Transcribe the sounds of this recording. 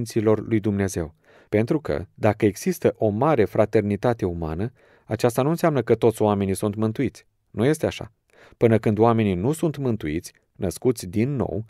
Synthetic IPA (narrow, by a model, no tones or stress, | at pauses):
nt̪silo̞rlujd̪umne̞ze̞̰w | pe̞nt̪ɾukə̰d̪akəe̞ɡz̥ist̪əʔo̞maɾe̞fɾʔat̪e̞rnit̪at̪e̞uma̰nə | at͡ʃast̪anuɨnseamnəkət̪o̞t̪sʲoame̞nisunt̪mɨnt̪uit̪sʲ | nuje̞st̪eaʃa̰ | pɨnəkɨnd̪oame̞ninusunt̪mɨnt̪uit̪sʲ | nəskut̪sʲd̪inːo̞̰w